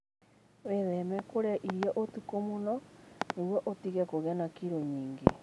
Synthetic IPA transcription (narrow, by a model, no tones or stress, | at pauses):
weðɛmɛkoɾeaʔiɾijaʔotukomonɔneɣwoʔotiɣɛkoɣɛnakiɾoɲiːŋɡḛ